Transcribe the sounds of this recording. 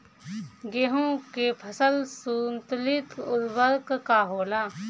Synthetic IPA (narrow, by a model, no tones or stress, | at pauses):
ɡeɦõkepʰəsəlsuːnt̪lɪt̪ʊd̪bəɾkkaɦoːlaː